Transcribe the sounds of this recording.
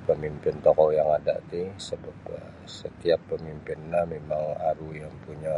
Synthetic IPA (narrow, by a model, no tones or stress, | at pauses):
pəmimpɪnt̪ɔkɔjaŋada̰ʔt̪isəbap̚ə | sət̪iapːəmimpɪnːamemaŋaɾujaŋpuɲa